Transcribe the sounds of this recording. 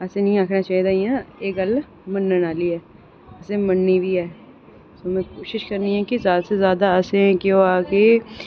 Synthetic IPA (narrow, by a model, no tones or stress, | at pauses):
əseːnĩːaːkʰnaːt͡ʃaːid̪aːiãːeːkəl | mənːənaːliɦɛː | əsemənːibʱiːɦɛː | soːmɛ̃ːkoːʃɪʃkəɾniɦɛ̃ːkezjaːd̪asezjaːd̪aəseɦɛ̃kjõːaːkeː